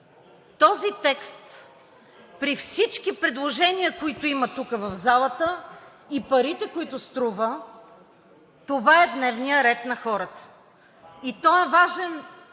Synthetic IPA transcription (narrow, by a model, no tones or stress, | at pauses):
t̪ɔzit̪ɛkst̪ | pɾifsit͡ʃkipɾɛd̪lˠoʒɛniəkoit̪ʊimət̪ukəvɐvzalˠət̪ə | ipɐɾit̪ɛkoit̪ʊst̪ɾuvə | t̪ovaɛd̪nɛvnijəɾɛt̪nɐxɔɾət̪ə̥ | it̪ɔɛvaʒɛn